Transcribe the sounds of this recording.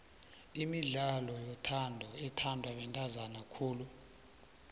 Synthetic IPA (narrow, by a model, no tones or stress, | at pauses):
imiɮalɔjɔtʰandʱɔɛtʰandʱwaɓɛntʼazanakʰuːlu